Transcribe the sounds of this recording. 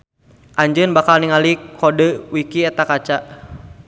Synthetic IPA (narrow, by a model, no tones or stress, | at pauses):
ʔaɲd͡ʒənbakalniŋalikʰːɔdəwikiɛt̪akat͡ʃaʔ